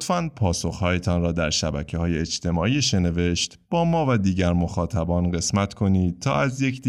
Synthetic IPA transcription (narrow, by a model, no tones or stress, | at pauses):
t̪fænpʰɒːso̞xhɒːjet̪ʰɒːnɾɒːd̪æɾʃæ̰bæ̰cʰehɒːjeed͡ʒt̪ʰe̞mɒːʔiːʃe̞ne̞ve̞ʃt̪b̥ɒːmɒːvæd̪iːɟæɾmo̞xɒːt̪ʰæbɒːnɢe̞smæt̪kʰo̞niːd̪̚t̪ʰɒ̰ːæzje̞cʰd̪